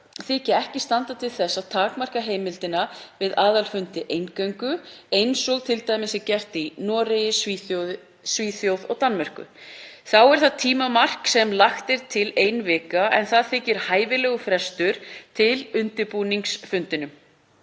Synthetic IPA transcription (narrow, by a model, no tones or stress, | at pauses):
θɪcɪɛhcɪst̪ant̪at̪ʰɪlθɛsːawt̪ʰaːkmar̥kaɦeːjmɪlt̪ɪnavɪðaːðalfʏnt̪ɪʔejnkœɥŋkʏejnsɔɣt̪ʰɪlt̪aːjmɪsɪcɛr̥t̪inɔːɾɪjɪsviθoð | sviːθjowðɔɣt̪anmɛr̥kʏ̰θawɛɾ̥θaðt̪ʰiːmamar̥ksɛmlaxt̪ɪɾt̪ʰɪlejnvɪːkaɛ̰nθaðθɪcɪɾ̥haːjvɪlɛːɣʏfɾɛst̪ʏɾ̥t̪ʰɪlʏnt̪ɪɾpuːniŋksfʏnt̪ɪnʏm